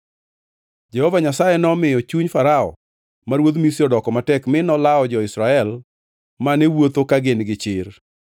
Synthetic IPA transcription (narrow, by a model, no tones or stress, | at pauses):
d͡ʒɛhɔvaɲasajɛnɔmɪjɔt͡ʃuɲfaɾaɔ̰ | maɾwod̪misjɔdɔkɔmatɛkmɪnɔlaɔd͡ʒɔɪsɾaɛl | manewot̪okaɡɪnɡɪt͡ʃɪr